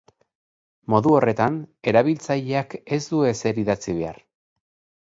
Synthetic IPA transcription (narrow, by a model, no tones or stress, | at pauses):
mo̞ðuo̞re̞t̪ane̞ɾaβilt͡saʎeake̞zd̪ue̞se̞ɾiðat͡siβe̞a̰r